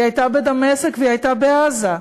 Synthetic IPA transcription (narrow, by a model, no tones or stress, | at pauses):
ajtabed̪amesekveiajt̪abeaza